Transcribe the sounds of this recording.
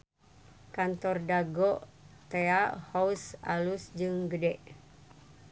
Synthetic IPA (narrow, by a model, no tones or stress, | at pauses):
kant̪ɔrdaɡɔʔt̪eahausalusd͡ʒɨŋɡədɛʔ